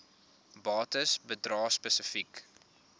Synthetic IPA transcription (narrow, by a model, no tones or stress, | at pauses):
bɑːtəsbədrɑːspəsəfik